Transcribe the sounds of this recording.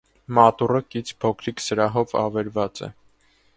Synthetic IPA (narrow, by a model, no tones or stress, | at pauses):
mɑt̪urəkit͡sʰpʰɔkʰɾiksəɾɑɦɔvɑ̰vɛɾvɑt͡sɛ̰